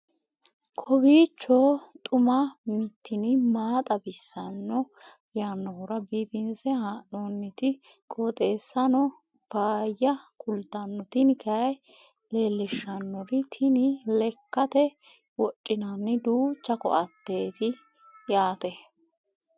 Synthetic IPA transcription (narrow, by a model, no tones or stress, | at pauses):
kʰɔbiːt͡ʃːot̪ʼʊmɐmɪt̪ːɪnɪmaːt̪ʼɐbɪsːɐnːɔ | jaːnːɔhʊɾɐbiːpɪnsɛhaʔonːɪt̪ɪ | kʼot̪ʼe̞ːsːɐnɔ | b̥aːjːɐkʰʊlt̪ɐnːɔt̪ɪnɪkʰɐj | le̞ːlːɪʃːɐnːɔɾɪt̪ʰɪnɪlɛkːɐt̪ɛ | wɔt͡ʃʼːɪnɐnːɪd̪uːt͡ʃːɐkɔ̰ʔɐt̪ːe̞ːt̪ɪ | jaːt̪ɛ